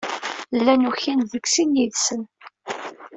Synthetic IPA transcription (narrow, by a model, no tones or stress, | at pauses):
lːænuçinðəksinjiðsən